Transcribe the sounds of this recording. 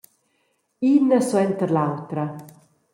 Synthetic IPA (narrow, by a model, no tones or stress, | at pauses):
inəswɛnt̪əɾlawt̪ɾa